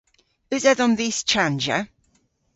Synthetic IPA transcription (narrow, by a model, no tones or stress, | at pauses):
ɪzɛðənðist͡ʃʰãnd͡ʒə̰